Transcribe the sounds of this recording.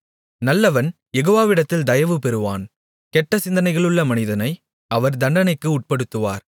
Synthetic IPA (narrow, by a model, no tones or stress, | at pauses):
nɐlːɐʋɐn | jɛɣoːʋaːʋɪɽɐt̪ːɪld̪ɐjɐʋɯpɛɾɯʋa̰ːn | kɛʈːɐsɪnd̪ɐnɐɪɣɐɭɯɭːɐmɐnɪðɐnɐɪ | ʔɐʋɐɾd̪ɐɳɖɐnɐɪkːɯʊʈ̚pɐɽɯt̪ːɯʋa̰ːɾ